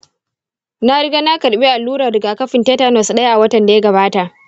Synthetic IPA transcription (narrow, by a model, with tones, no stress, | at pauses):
na˦ɽɪ˦ɡaː˦na˦kɐ˨ɽɓi˦ʔa˨lːuː˦ɽɐ˨rɾɪ˨ɡaː˨kɐ˦ɸɪ˨nteː˦ta˦nɔ˨sɗɐ˦ja˦ʔa˨wɐ˦tɐ˨nda˨jɐ˦ɡɐ˨baː˦ta˨ʔ